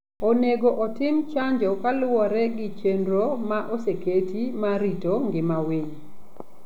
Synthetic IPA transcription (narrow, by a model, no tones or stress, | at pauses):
oneɡoʔɔtɪmt͡ʃaɲd͡ʒɔkalɔɾɛɡɪt͡ʃendɾomaʔoseketimaɾitoŋɡɪmawiɲ